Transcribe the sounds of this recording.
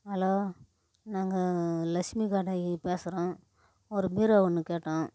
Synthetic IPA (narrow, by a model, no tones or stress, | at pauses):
ɐloː | naːŋɡɐlɐʂmikaːʈaːjipeːsɪɾõː | ɔɾɯbiːɾɐʋɐnːɯkeːʈːãː